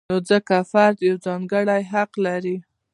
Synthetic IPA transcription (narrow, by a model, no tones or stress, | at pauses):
od͡zəkafaɾd̪jawd͡zɑŋɡəɽajɦaqlaɾi